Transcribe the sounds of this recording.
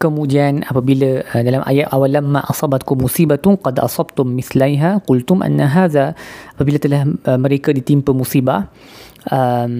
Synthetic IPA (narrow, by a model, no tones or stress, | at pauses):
kamud͡ʒianapabilaədalamʔa̰jaʔawalamːaʔɑsˤɑbat̪kʊmːusiːbaqɑd̪ʔɑ̰sˤɑbt̪ʊmːɪθlajɦaqʊlt̪ʊmʔa̰nːaɦaːðaʔapabilat̪əlahəməɾekədit̪impəmusiːba | ʔəm